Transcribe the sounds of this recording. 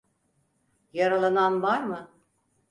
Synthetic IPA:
jaɾalˠananbaɾmɯ

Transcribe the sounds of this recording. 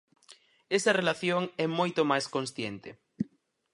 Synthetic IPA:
esɐrelaθjoŋɛmojt̪omajskõnsθjent̪e

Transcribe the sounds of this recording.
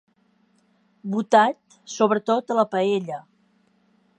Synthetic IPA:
but̪at̪ | soβɾət̪ot̪ələpəeʎə

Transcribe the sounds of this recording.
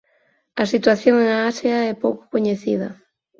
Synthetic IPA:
ɐsit̪waθjõŋeŋaasjaɛpowkʊ̥koɲeθḭðɐ̰

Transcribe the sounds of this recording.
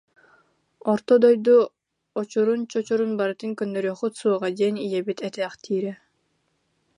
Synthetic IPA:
ɔɾt̪ɔd̪ɔjd̪u | ɔt͡ɕuɾunt͡ɕɔt͡ɕuɾunbaɾɯt̪ɯŋkœnːœɾyœːχɯt̪suɔʁad̪ɛnijɛbit̪ɛt̪ɛːχt̪ʰiːɾɛ

